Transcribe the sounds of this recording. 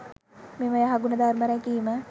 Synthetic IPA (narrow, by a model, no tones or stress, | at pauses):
meməjəɦaɡunəd̪arməɾɛkiːmə